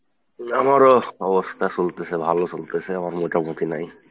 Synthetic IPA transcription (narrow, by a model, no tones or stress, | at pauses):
amaɹɔbɔst̪ʰasult̪esɛbʱalosult̪ɛsɛamaɹmoʈamut̪ʰinaj